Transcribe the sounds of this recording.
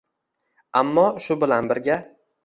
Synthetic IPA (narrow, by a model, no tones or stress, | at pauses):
amːɒʃʊbɪlanbɪɾɡʲa